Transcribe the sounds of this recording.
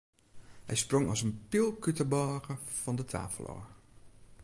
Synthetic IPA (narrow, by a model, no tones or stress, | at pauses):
hɛ̰jsproŋɑ̰lˠsənpɪlˠkytəbɔχəv̥ɑndətʰa̰ːfəlˠɔ̰